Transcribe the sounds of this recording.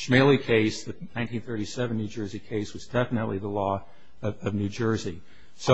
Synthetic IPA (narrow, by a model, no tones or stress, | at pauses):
ʃmeɪlˠikʰeɪsðɨnãɪ̃ntĩnθɜ˞ɾisɛvn̩ːʉd͡ʒɜ˞zikʰeɪswʌzdɛfənəʔˡliðəlɔ | ʌʌvnʉd͡ʒɜ˞zi | so